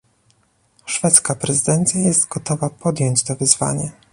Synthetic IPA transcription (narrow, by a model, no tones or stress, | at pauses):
ʂfɛt̪skapɾɛzɘd̪ɛnt̪sʲjajɛst̪ɡɔt̪ɔvapʰɔd̪jɔɲt͡ɕt̪ɔvɘzva̰ɲɛ